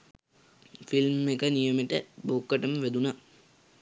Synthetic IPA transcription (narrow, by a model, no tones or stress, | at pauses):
filmːekənijəmeʈəbukːəʈəməʋæd̪una